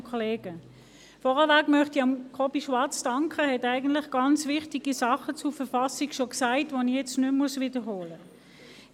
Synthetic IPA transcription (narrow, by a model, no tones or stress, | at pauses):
kʰɔleːɡ̥ə | fɔʁəvæɡmœχtiɑmkʰɔbiʃʋɑt͡sd̥ɑŋkʰəhɛtæɪɡən̩tlɪχɡ̥ɑnt͡svɪχtiɡ̥isɑχət͡sufəfɑsikʃoksæɪtvonijɛt͡stnʏmːmusvɪdəhoːlə